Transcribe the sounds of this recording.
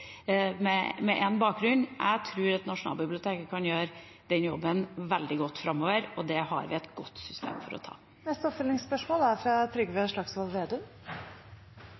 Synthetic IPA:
mɛmɛʔɛnbɑːk̚ɡɾʉnːʔæ̰ɡt̪ʰɾʉːɾɑt̪nɑʂʊnɑ̰lbɪblɪʊt̪ʰeːkəkʰɑnjøːɾ | d̪̥ɛnjɔbːənʋɛld̪ɪɡɔt̪ːfɾɑmːoːʋəɾɔd̪ɛhɑ̰ɾʋɪ̰ɛt̪ɡ̥ɔt̪ːsʏst̪ʰḛːmfɔɾɔ̰t̪ʰɑ̰ː | nɛst̪əɔpfʏlnɪŋspœʂmoːlæɾfɾɑt̪ʰɾʏɡʋeʂɭɑksʋɔlˠʋeːd̪ʉ

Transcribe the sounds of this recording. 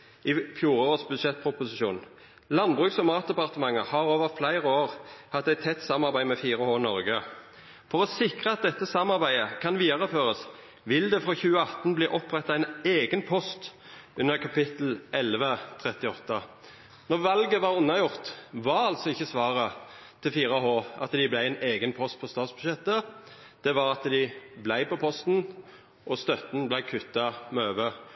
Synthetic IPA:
ɪfjuːɾosbʉd̪ʃɛt̪̚ːpʰʁʊpʊsɪʃṵːn | lɑnbʁʉːksɔmɑːt̪̚d̪ɛpɑʁt̪əmɑŋːəhɑʁoːʋəʁflæɪʁəoːʁhɑt̪ːæɪt̪ʰːɛt̪ːsɑmɑʁbæɪmɛfiːʁəhoːnɔʁɡə | fɔʁɔsɪkʁəɑt̪̚d̪ɛt̪ːəsɑmɑʁbæɪəkʰɑnʋiːd̪ɑʁəføːʁəs | ʋɪld̪ɛfʁoːçʉːəɑt̪n̩bliːʔɔpʁɛt̪ːɑæɪneːɡənpʰɔst̪ | ʉnəʁkʰɑpɪt̪l̩ʔɛlʋət̪ʰʁɛt̪ɪɔt̪ːə | nɔʋɑlɡəʋɑʁʊnːɑjʊʁt̪ʋɑɾɑlt̪sɔɪçːəsʋɑːʁət̪ʰɪlfiːʁɑɦoːɑ̰t̪d̪ɪblæɪæɪneːɡənpʰɔst̪̚pʰɔst̪ɑːt̪sbʉʃɛt̪ːə | d̪̥ɛʋɑʁɑt̪d̪ɪblæɪpɔpʰɔst̪n̩ | ʔɔst̪œt̪nblæɪkʰʉt̪ːɑmøːʋə

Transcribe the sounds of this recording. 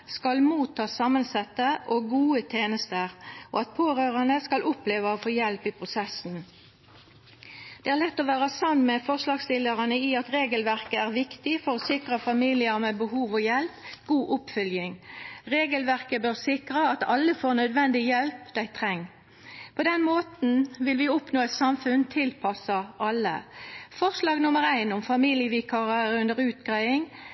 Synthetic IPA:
skɑlmuːt̪ʰːɑːsɑːmənsɛt̪ːəʔoɡuːət̪ʰeːnəst̪əʁʔo̰ːɑt̪̚pʰoːʁøːʁɑnəskɑlʔʊpleːʋəoːfoːjɛlpiːpʰʁʊsɛsn̩ | d̪̥ɛːæːʁlɛt̪ːɔːʋæːʁɑsɑnːmɛfɔʁslɑːɡst̪ɪləʁɑnəiɑt̪ʁeːɡəlʋæʁkəæːʁʋɪkt̪ɪfɔʁoːsɪkʁəfɑmiːlɪəʁmeːbəhuːʋoːjɛlpɡ̥uːʔʊpfœljɪŋʁeːɡəlʋæʁkəbøʁsɪkʁəɑt̪ɑlːəfoːʁnœd̪ʋɛnd̪ɪjɛlpd̪æɪt̪ʰʁɛŋː | pʰɔd̪ɛnmoːt̪n̩ʋɪlʋɪʊpnoːɛt̪sɑmfʉnt̪ʰɪlpʰɑsɑʔɑlːə̰fɔʁʂlɑːɡnʊməʁæɪnʊmfɑmiːljəʋiːkʰɑʁəɾʉnd̪əʁʉːt̪ɡʁæɪɪŋ

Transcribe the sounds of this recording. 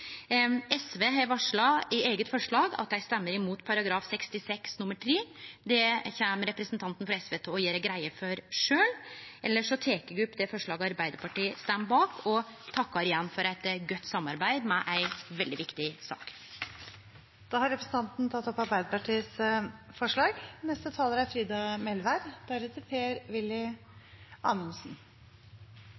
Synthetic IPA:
ɛsʋeːɦæʋɑʂɭɑɪʔeːɡət̪fɔʂɭɑːɡɑ̰t̪jæɪst̪ɛmːəɾɪmuːt̪pʰɑɾɑɡɾɑːfsɛkst̪ɪsɛksnʊmːəʈʰɾiːd̪ɛçɛməɾɛpɾəsnt̪ʰɑnt̪ən̩fɾɑɛsʋeːt̪ʰoːɔjiːɾæɡɾæɪəfɔɾʂøːlʔɛlːəʂɔt̪ʰeːkəɡɾʉpːd̪ɛfɔʂɭɑːɡəɑɾbæɪd̪əɾpʰɑʈiːəst̪æmbɑːkʰɔt̪ʰɑkːɑɾɪjɛnːfɔɾæɪt̪ɡœt̪ːsɑmːɑɾbæɪd̪mɛʔæɪʋɛld̪ɪʋɪkt̪ɪsɑ̰ːk | d̪̥ɑːhɑɾɛpɾəsn̩t̪ɑnt̪n̩t̪ʰɑt̪ːɔpɑɾbæɪd̪əpɑʈiːəsfɔʂɭɑːɡnɛst̪ət̪ʰɑːləɾæɾfɾiːd̪ɑmɛlʋæɾd̪̥æɾət̪ʰɪpʰeːɾʋɪlːɪ | ɑːməlsn̩

